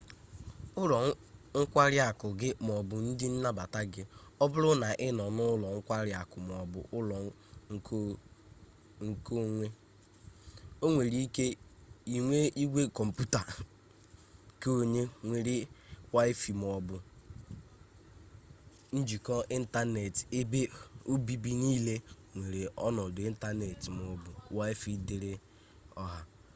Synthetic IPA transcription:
ʊ˦lɔ˨ŋ̩˦kʷa˦ɾɪ˦a˨kʊ˨ɡɪ˦m˨ɔ˨bʊ˨n̩˦dɪ˦n̩˦na˦ba˨ta˦ɡɪ˦ɔ˦bʊ˦ɾʊ˦na˨ʔɪ˦nɔ˨nʊ˦ʊ˦lɔ˨ŋ̩˦kʷa˦ɾɪ˨˦a˨kʊ˨m˨ɔ˨bʊ̰˨ʔʊ˦lɔ˨ | ŋ̩˦ | ŋ̩˦ko˦ŋʷe˦ | o˦ŋʷe˨ɾi˦ke˦i˨ŋʷe˦ʔi˦ɡʷe˦kɔ˨m̩˨pu˦ta˨ | ke˦o˨ɲe˦ŋʷe˨ɾi˦wa˦ɪ˦fi˨m˨ɔ˨bʊ˨ | n̩˦d͡ʒi˨kɔ˦ʔi˦n̩˦ta˦ne˨te˦be˦o˦bi˦bi˦niː˦le˦ | ŋʷe˨ɾe˨ɔ̰˦nɔ˨de˨˦n̩˦ta˦ne˨tm˨ɔ˨bʊ˨wa˦ɪ˦fi˨dɪ˨ɾɪ˦ | ɔ˦ɦa˦

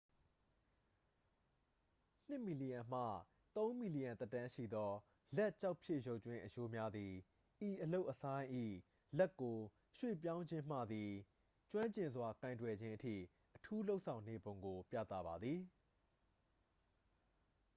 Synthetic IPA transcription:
n̥ɪ˦˨ʔmi˨li˨jã˨m̥ä̰˦˨ | t̪õ˦ʊ̃mi˨li˨jã˨nt̪ɛ˦tã˦ʃḭ˦˨d̪ɔ˦ | lɛ˦ʔt͡ɕa˦ʊpʰje˦ʔjo˦ʊʔt͡ɕwɪ̃˦ʔəjo˦mja˦d̪i˨ | ʔi˨ʔəlo˦ʊʔəsʰã˦ɪ̃ʔḭ˦˨ | lɛ˦˨kːo˨ | ʃwḛ˦˨p̬jã˦ʊ̃ɲd͡ʑɪ̃˦m̥ä̰˦˨d̪i˨ | t͡ɕwã˦ɲt͡ɕɪ̃˨nzwa˨kã˨ɪ̃ntwɛ˨d͡ʑɪ̃˦ʔətʰḭ˦˨ | ʔətʰu˦lo˦ʊʔsʰã˨ʊ̃ne˨bõ˨ʊ̃ŋɡo˨pjä̰˦˨t̪a̰˦˨ba˨d̪ði˨

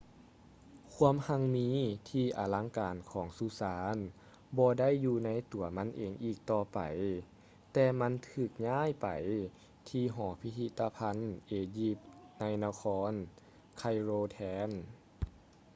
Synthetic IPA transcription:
kʰu˧˥˧əmha˧˩ŋmiː˧˥t̪ʰiː˧˩ʔa̰ː˨˩la˧˥ŋkaː˨˩nkʰɔː˩˦ŋsuː˧saː˨˦n | bɔː˧da˥˨jːuː˧na˧˥jt̪u˨˩˦ɐma˧˥nʔeː˨ŋʔiː˧˨˩k̚t̪ɔː˧˩pa̰˨˩j | t̪ɛː˧˩ma˧˥nt̪ʰɯː˧˩k̚ɲaː˧˥˨jpa̰˨˩j | t̪ʰiː˧ɦɔː˩˦pʰi˧t̪ʰi˧t̪ʰːa˧pʰa˧˥˨nʔeː˨˩ji˧˥p̚na˧˥jna˧kʰɔː˧˥n | kʰa˧jɾoː˧t̪ʰɛː˧˥n

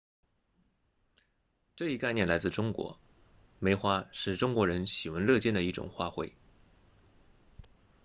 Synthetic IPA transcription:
ʈ͡ʂɤ˥˧i˥ka˥˧ɪnjɛ˥˩nla˧˥ɪt͡sɹ̩˥˩ʈ͡ʂʊ˥ŋkwɔ̰˧˥ | me˧˥ɪxwa˥ʂɻ̩˥˩ʈ͡ʂʊ˥ŋkwɔ˧˥ɻə˧˥nɕi˨˩wə˧˥nlɤ˥˧t͡ɕjɛ˥˩nd̪ə˩i˥˩ʈ͡ʂʊ̰˨˩ŋxwa˥˧xwe˥˩ɪ

